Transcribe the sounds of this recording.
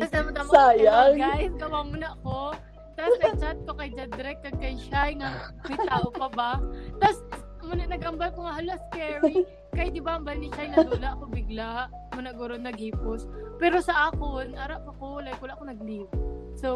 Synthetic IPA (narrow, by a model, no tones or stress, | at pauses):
t̪asd̪ɐmɐd̪ɐmɐaːjaɡɡaːʔɪsɡɐwaːmʊnɐʔɐko̞ | t̪asnɐɡ̚t͡ʃat̪̚ko̞kɐjd͡ʒɐd̪ɾɛk̚kːɐɡ̚kɐjʃajŋamɐjt̪aːʔopɐbat̪as | mʊnɐʔnɐɡʔɐmbalkoŋɐɦɐlaskɛɹi | kɐjd̪ɪbaʔɐmbɐlnɪʃajnɐt̪uːlɐʔɐkobɪɡlaʔ | mʊnɐʔɡʊɾod̪nɐɡ̚hiːpospɛːɾo̞sɐʔaːkonaːɾaʔpɐkolɐjkuːlaʔkonɐɡ̚liːbso